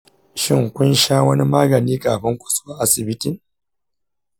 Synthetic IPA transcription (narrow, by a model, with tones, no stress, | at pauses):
ʃɪ˦˨ŋkʷʊ˦nʃaː˦wɐ˦ni˦maː˦ɡɐ˨niː˦kʼaː˨ɸɐ˦ŋkʷʼʊ̥˨sʼwa˦ʔa˦sɪ˨bɪ˦ti˦˨